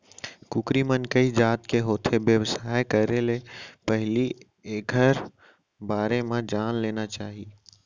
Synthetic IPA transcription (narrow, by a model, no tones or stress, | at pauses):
kukɾimənkəid͡ʒaːt̪keɦoːt̪ʰebjəʋsaːekəɾelepəɦli | eːɡʱəɾ | baːɾemẽd͡ʒaːnleːnat͡ʃaːɦi